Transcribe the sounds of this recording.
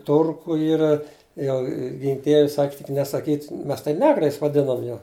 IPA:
ˈtʊrkʊ ˈiːrɐ ˈjɛʊ ˈɡʲɪŋk ˈdʲiɛʋʲɛ ˈsɐkʲ tʲɪk nʲɛsɐˈkʲiːtʲ ˈmʲɛs tɐɪ ˈnʲæːɡrɐɪs ʋɐˈdʲɪnɐm jɛʊ

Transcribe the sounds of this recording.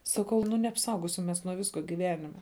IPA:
sɐˈkɐʊ nʊ nʲɛɐpˈsɐʊɡoːsʲɪm ˈmʲɛs nuɔ ˈʋʲɪskoː ɡʲɪˈʋʲæːnʲɪmʲɛ

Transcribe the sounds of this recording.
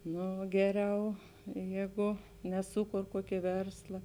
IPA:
ˈnoː ˈɡʲæːˌrʲɛʊ ˈjeːˌɡʊ nʲɛˈsuːˌkoːr ˈkuɔkʲeː ˈʋʲɛrslˠɐ

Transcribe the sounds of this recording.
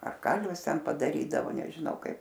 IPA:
ɐr ˈkɐlʲʋʲɪs ˈtʲɛn pɐdɐˈrʲiːdɐʋoː nʲɛʒʲɪˈnɐʊ ˈkɐɪp

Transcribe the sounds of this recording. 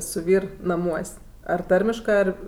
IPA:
sʊ ˈʋʲiːr nɐˈmuɔsʲ ɐr ˈtɐrʲmʲɪʃkɜ ˈɐr

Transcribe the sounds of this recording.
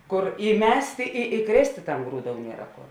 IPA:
ˈkʊr iːˈmʲæːsʲtʲeː ɪ iːˈkrʲeːsʲtʲeː tɐm ˈɡruːˌdoːʊ ˈnʲiɛrɐ ˈkoːr

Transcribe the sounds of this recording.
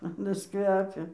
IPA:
ɐˈnɐs ˈkʋʲæːpʲɛ

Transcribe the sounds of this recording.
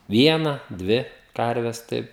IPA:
ˈʋʲiɛnɐ ˈdʲʋʲɪ ˈkɐrʲʋʲɛs ˈtɐɪp

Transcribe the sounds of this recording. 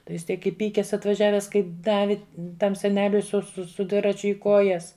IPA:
tɐɪ ˈjɪs ˈtʲiɛk ɪˈpʲiːkʲɛs ɐtʋɐˈʒʲæːʋʲɛs kɐɪ ˈdɑːʋʲɪ ˈtɐm sʲɛˈnʲæːlʲʊɪ sʊ sʊ sʊ ˈdʲʋʲɪrɐt͡ʃʲʊ ɪ ˈkoːjɛs

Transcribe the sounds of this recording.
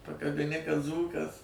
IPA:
pɐkɐbʲɪˈnʲɪ kɐt ˈd͡zuːkɐs

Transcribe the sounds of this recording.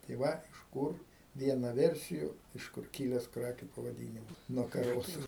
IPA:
tɐɪ ˈʋɐ ɪʃ ˈkuːr ˈʋʲiɛnɐ ˈʋʲɛrʲsʲɪjʊ ɪʃ ˈkʊr ˈkʲiːlʲɛs ˈkrɑːkʲʊ pɐʋɐˈdʲiːnʲɪmɐs nuɔ kɐˈroːsʊ

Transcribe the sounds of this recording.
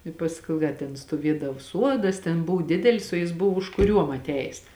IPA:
ɪ ˈpɑːskoːʊ ˈdɐ tʲɛn stuɔˈʋʲiɛdɐw ˈsuɔdɐs tʲɛn ˈbʊw ˈdʲɪdʲɛlʲɪs oː jɪs ˈbʊʋoː ʊʃkʊˈrʲuɔm ɐtʲˈæːjeːs

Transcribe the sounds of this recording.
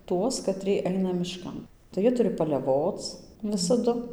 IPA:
ˈtuɔs kɐˈtʲrʲiɛ ˈɐɪnɐ mʲɪʃˈkɐn tɐɪ ˈjiɛ ˈtʊrʲɪ pɐlʲɛˈʋoːt͡s ˈʋʲɪsɐdʊ

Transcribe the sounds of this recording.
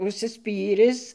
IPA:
ʊʃʲsʲɪˈsʲpʲiːrʲɪs

